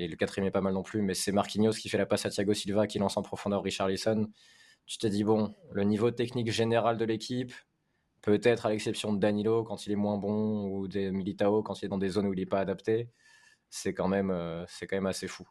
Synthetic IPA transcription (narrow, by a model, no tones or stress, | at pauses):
eləkat̪χiɛmɛpamalnɔ̃plymɛsɛmaʁkʲinjozkʲifɛlapasãt̪jaɡosilvakʲilɑ̃sɑ̃pχɔfɔ̃d̪œʁːiʃaʁlisɔn | t̪y̥t̪əd̪ibɔ̃lənivot̪ɛknikʒeneʁald̪əlekʲʰipː | øt̪ɛt̪χalɛksɛpsjɔ̃d̪anilokɑ̃t̪ilɛmwɛ̃bɔ̃ud̪emilit̪aokɑ̃t̪ilɛd̪ɑ̃d̪ezonuilɛpaːd̪apt̪e | sɛkɑ̃mɛmøsɛkɑ̃mɛmasefu